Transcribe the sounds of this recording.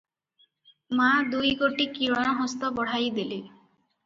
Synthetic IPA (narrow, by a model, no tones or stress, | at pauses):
mad̪ujɡoʈikiɾɔɽ̃ɔɦɔst̪ɔbɔɽ̤ajd̪ili